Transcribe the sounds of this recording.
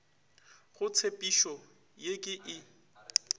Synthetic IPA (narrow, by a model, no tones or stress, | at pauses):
ɣʊt͡sʰepʼiʃɔ | jekʼɪʔɪ